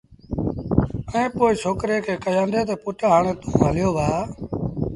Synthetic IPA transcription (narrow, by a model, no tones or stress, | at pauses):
əẽːpoːiːsʰoːkɾeːkʰeːkəjãːnd̪eːt̪eːpʊʈːɦaːɳeːt̪ũːɦəljoːʋaː